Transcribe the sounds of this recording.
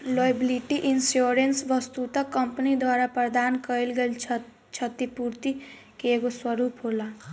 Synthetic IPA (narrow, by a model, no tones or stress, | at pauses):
lojbiliʈiʔinsjoɾensʋʌst̪ut̪ʌkʌmpənid̪waɾapɾʌd̪ankʌilɡelʰ | t͡ʃʰʌt̪ipuɾt̪i | keɡoswʌɾupɦola